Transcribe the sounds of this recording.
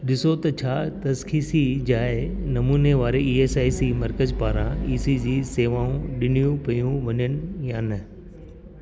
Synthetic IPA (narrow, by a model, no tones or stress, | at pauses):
ɗɪsot̪ɐt͡ɕʰaːt̪ɐzxiːsid͡ʑaːɪnɐmuːneʋaːɾeiːeːsaːisimɐɾkəzpaːɾãiːsid͡ʑiːseːʋãːũɗɪnijũpɐjũʋɐɲəɽ̃ɪ̆jãːnɐ